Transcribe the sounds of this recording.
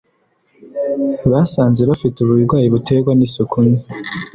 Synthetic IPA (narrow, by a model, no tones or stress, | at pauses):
βasaːnze̞βafituβuiɾɡwaːjiβutʰe̞ɡwanisukʰuɲi